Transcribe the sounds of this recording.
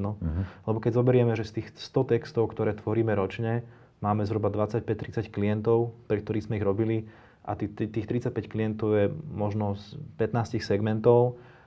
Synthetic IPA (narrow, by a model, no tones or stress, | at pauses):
nɔlɛbɔkɛɟzɔbɛɾɪɛmɛʒɛst̪iːxst̪ɔt̪ɛkst̪ɔʊkt̪ɔɾɛːt̪ʋɔɾiːmɛɾɔt͡ʃɲɛ | maːmɛzɦɾubad̪ʋat͡sac̚pɛc̚t̪ɾit͡sackliɛnt̪ɔʊpɾɛk̚t̪ɔɾiːɣzmɛiɣɾɔbili | ʔa̰t̪it̪iːxt̪ɾit͡sac̚pɛcklijɛnt̪ɔʊjɛmɔʒnɔspɛt̪naːscixsɛɡmɛnt̪ɔʊ